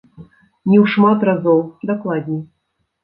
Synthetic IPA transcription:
nʲɛwʂmat̪razɔwd̪aklˠad̪ʲnʲi

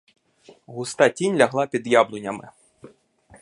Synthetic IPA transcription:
ɣust̪atʲinʲlʲaɣlˠapʲid̪jablˠunʲɐmɪ̰

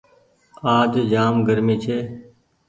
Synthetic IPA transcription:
aːd͡ʒd͡ʒaːmɡəɾmiːt͡ʃʰeː

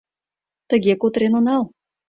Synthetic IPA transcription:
t̪ə̆ɣekot̪ɾenonɑl

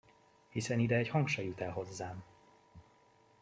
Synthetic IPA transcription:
hisɛnid̪ɛɛɟhɒŋkʃɒjut̪ɛlɦo̞zːaːm

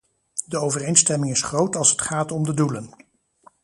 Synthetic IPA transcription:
dəowvərejnstɛmɪŋɪsχrowtɑlˠsətχaːtɔmdədulən

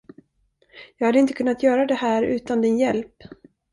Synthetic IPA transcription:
jɑːɡhad̪əɪnt̪əkʰɵnːat̪jœːɾad̪ɛhæːɾʉ̟ːt̪and̪ɪnjɛlp

